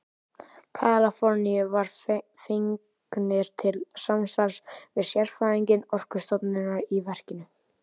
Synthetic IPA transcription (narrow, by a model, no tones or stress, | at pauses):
kʰaːlafɔɾnijʏvaɾ̥ | fiŋ | knɪɾ̥t̪ʰɪlsamsaɾsvɪðsjɛɾ̥faːɾiɲcɪnɔr̥kʏ̥st̪ɔpnɪnaɾivɛr̥cɪnʏ